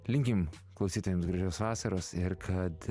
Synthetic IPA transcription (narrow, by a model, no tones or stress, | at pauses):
lʲɪŋʲkʲɪm | klˠɐʊsʲiːt̪oːjɛmsɡɾɐʒʲɛʊsʋɑːsɐɾoːsɪɾkʰɐt̪